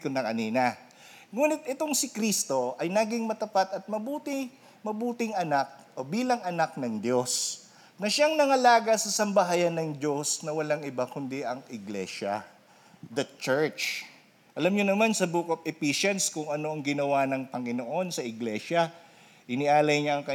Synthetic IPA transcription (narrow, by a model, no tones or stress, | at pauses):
kʊnɐkɐniːnɐ | ŋuːnɪt̪̚ʔɛt̪o̞ŋsɪkɾist̪o̞ɐjnaːɡɪŋmɐt̪ɐpat̪ɐt̪̚mɐbuːt̪ɪ | mɐbuːt̪ɪŋɐnak̚ʔo̞biːlɐŋɐnak̚nɐŋd̪jo̞s | nɐʃaŋnɐŋɐlaːɡɐsɐsɐmbɐɦajɐnːɐŋd̪jo̞snɐwɐlaŋɪbakʊnd̪ɪɐŋʔɪɡlɛʃɐ̰ | d̪ɐt͡ʃɛɹt͡ʃ | ʔɐlamɲonɐmansɐbuːkɐp̚ʔɪpiʃɛnskʊŋɐno̞ʔɐŋɡɪnɐwanɐŋpɐŋɪnoʔo̞nsɐʔɪɡlɛʃɐ | ʔɪnɪʔaːlɐjɲaɐŋkɐ